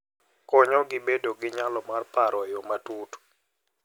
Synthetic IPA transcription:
kɔɲɔɡɪbedoɡɪɲalɔmarpaɾɔjomatut

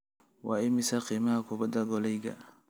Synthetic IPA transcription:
wɑːɪmɪsɐqiːmɐhɐkʰʊbɐd̪ɐɡɔlɛjɡɐ̰

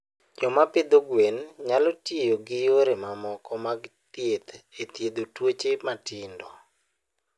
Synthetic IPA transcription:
d͡ʒɔmaped̪oɡwenɲalɔtjejoɡɪjoɾemamɔkɔmaɡt̪jet̪et̪jed̪otwot͡ʃematɪndɔ

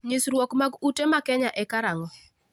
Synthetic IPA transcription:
ɲisɾwokmaɡutemakɛɲaʔɛkaɾaŋɔ

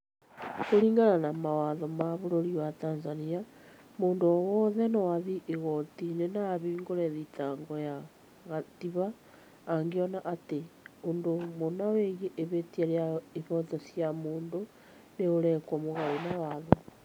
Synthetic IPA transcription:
koɾiːŋɡananamawaðɔmaβoɾoɾiwatanzania | moːndoɔwɔðɛnɔwaðiʔeɣɔtinenaβiːŋɡoɾɛðitaŋɡɔja | ɣatiβaː | ŋɡeɔnaʔateondomonaweɣeʔeβetieɾeaeβɔtɔsiamoːndo | neoɾɛkɔmoɣainawaðɔ

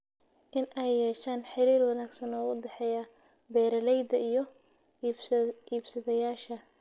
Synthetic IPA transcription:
ʔɪnʔɛjːɛːʃaːnħɪɾiːrwɑnaːɡsɐnɔːʊd̪ɛħɛjɐ | bɛːɾɐlɛjd̪ɐijɞ | iːbsɐðɐjaːʃɐ

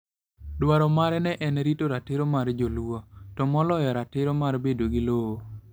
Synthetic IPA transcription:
dwaɾɔmaɾɛnɛʔɛnɾitoɾatɪɾomaɾd͡ʒolwɔtɔmɔlɔjɔɾatɪɾomarbedoɡɪlowo

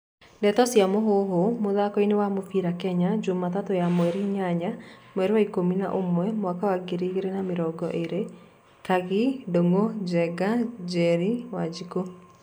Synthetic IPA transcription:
ndɛtɔsjamoɦoɦomoðakɔinewamofiɾakɛɲad͡ʒomatatojamwɛɾiɲaɲamwɛɾewaikomina̰ʔomwɛmwakawaɡeɾiɣeɾenameɾɔɡɔʔeɾe | kaɣidoŋod͡ʒɛɡad͡ʒɛɾiwad͡ʒiko

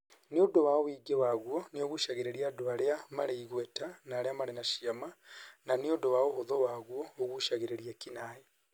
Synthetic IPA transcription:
niodowaowiːɡewaɣwonioɣuʃaɣeɾeɾiadoaɾeamaɾeiɣwetanaaɾeamaɾenaʃiamananiodowaohoðowaːɣwoːɣuʃaɣeɾeɾiakinaje

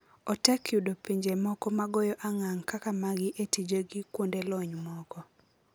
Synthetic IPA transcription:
ɔtɛkjudopiɲd͡ʒemɔkɔmaɡɔjɔʔaŋaŋkakamaɡɪʔetid͡ʒoɡɪkwondelɔɲmɔkɔ

